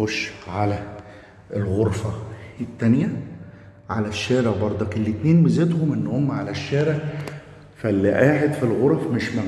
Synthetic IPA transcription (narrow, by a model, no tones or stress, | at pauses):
oʃʕalæ | ʔelɣoɾˤfæet̪ːænjæ | ʕalæʃːæːɾeʕbɑɾˤd̪ˤɑkelːit̪neːnbezet̪homʔenːʊhomːæʕalæʃːæːɾeʕ | fælːiʔaːħed̪filɣoɾˤɑfmeʃmæ